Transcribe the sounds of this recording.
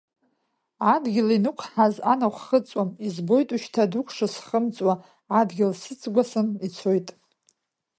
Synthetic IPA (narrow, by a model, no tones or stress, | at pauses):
adɡʲɪlinukʷʰħazanaχʷχət͡sʼwamizbo̞jtʼuʃtʰadukʷʰʂɨsχəmt͡sʼwaː | dɡʲɪlsɨt͡sʼɡʷasɨnit͡sʰo̞jtʼ